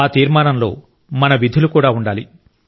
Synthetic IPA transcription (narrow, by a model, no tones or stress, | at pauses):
aːt̪iːɾmaːnɐmlo̞̰ː | mɐnɐʋid̪ʱulukuːɽaːuɳɖaːlḭ